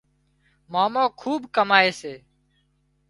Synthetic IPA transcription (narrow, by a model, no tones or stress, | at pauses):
maːmõːkʰuːbkəmaːeːseː